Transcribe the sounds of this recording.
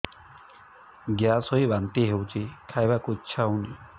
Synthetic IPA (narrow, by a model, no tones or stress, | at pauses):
ɡjasɔjbant̪iɦewt͡ʃʰikʰajbakuitːʃʰawni